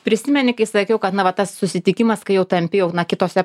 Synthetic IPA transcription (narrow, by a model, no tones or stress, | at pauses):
pʲɾʲɪsʲɪmʲɛnʲɪkɐɪsɐkʲɛʊkɐt̪nɐʋɐt̪ɐssʊsʲɪt̪ʲɪkʲɪmɐskɐɪjɛʊt̪ɐmʲpʲɪjɛʊnɐkʲɪt̪oːsʲɛ